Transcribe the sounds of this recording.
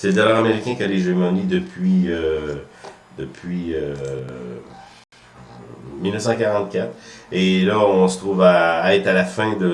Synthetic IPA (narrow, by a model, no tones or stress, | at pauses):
sɛd̪alaʁameʁikʲɛ̃kʲialeʒemɑ̃nid̪əpʰɥiø | d̪əpʰɥiø | milnəfsɑ̃kaʁɑ̃t̪̚kʲat̪χelaɔ̃sə̥t̪ʁuvaːɛt̪alafɛ̃d̪ə